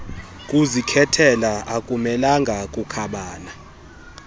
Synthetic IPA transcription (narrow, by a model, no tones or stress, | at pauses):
kʼuzikʰɛtʰɛlaakʼumɛlaŋɡʱakʼukʰaɓaːna